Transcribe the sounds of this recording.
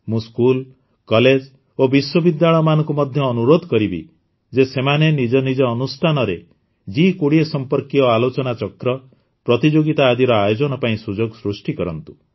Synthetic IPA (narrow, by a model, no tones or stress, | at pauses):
mũskul | kɔled͡ʒ | obiswɔbid̪jaɭɔjɔmanɔ̃ŋkumɔd̪ʱjɔːnuɾod̪ʱɔkɔɾibḭ | d͡ʒesemanenid͡ʒɔnid͡ʒɔːnust̪ʰanɔɾe | d͡ʒikoɽiesɔmpɔɾkiɔalot͡ʃɔnat͡ʃɔkɾɔ | pɾɔt̪id͡ʒoɡit̪aːd̪iɾɔajod͡ʒɔnɔpaĩsud͡ʒoɡsɾusʈikɔɾɔnt̪u̥